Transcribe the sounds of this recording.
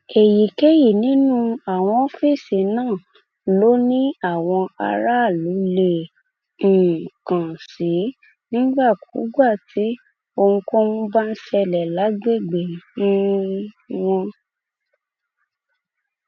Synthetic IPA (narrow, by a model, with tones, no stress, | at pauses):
e˨ji˨ke˦ji˦˨nĩ˨˦nũ˦a˨w̃ɔ̃˧˦fe˦˨se˨nãː˦˨ | lo˨˦nĩ˦a˦˨w̃ɔ̃˧a̰˧ɾa˦˨lo˨˦le˦˨ | kã˨si˨˦ | nĩ˦ɡ͡ba˦˨kʰu˨˦ɡ͡ba˦˨tʰi˨˦ | o˧ŋ̩̃˧kɔ̃˦wũ˦ba˦n̩˦ʃɛ˧lɛ˨la˨˦ɡ͡be˦˨ɡ͡be˨˦nĩ˦ | wɔ̃˧